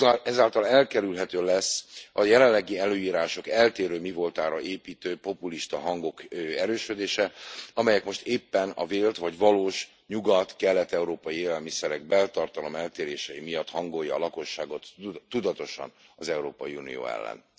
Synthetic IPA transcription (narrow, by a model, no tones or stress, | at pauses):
ɛzaːlt̪ɒlɛlkɛɾylɦɛt̪øːlɛsːɒjɛlɛllːɛɡiɛløːiːɾaːʃo̞kɛlt̪eːɾøːmivo̞lt̪aːɾɒʔeːpiːt̪øːpo̞puliʃt̪ɒɦɒŋɡo̞kɛɾøːʃød̪eːʃɛɒmɛjɛkmo̞ʃt̪eːpːɛnɒ̰veːlt̪ʋɒɟvɒloːʃ | ɲuɡɒt̪kɛlːɛt̪ɛuɾoːpɒjieːlɛlmisɛɾɛɡ̚bɛlt̪ɒrt̪ɒlo̞mɛlt̪eːɾeːʃɛjimijɒt̪hɒŋɡo̞jːɒːlɒko̞ʃːaːɡo̞t̪ːud̪ɒt̪o̞ʃɒ̰nɒzɛuɾoːpɒjiunḭjo̰ːɛ̰lːɛ̰n